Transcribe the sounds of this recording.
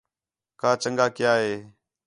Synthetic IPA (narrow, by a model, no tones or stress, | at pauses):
kaːt͡ʃəŋɡakjaeː